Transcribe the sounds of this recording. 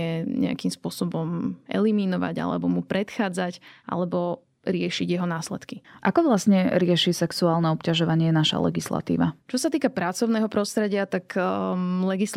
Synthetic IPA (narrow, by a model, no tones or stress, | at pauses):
ɛɲɛ̰a̰kimspʊɔsɔbɔmʔɛ̰liminɔʋa̰ɟa̰lɛ̰bɔmupɾɛt̪xaːd͡zacʔa̰lɛbɔ | ɾɪɛʃiɟjɛɦɔnaːslɛ̰t̪kiʔakɔʋlasɲɛɾɪɛʃisɛksuaːlnɛɔpcaʒɔʋaɲɪɛnaʃa̰lɛ̰ɡisla̰t̪ḭːʋat͡ʃɔsat̪iːkapɾat͡sɔʊnɛːɦɔpɾɔst̪ɾɛɟɪat̪ak | lɛɡis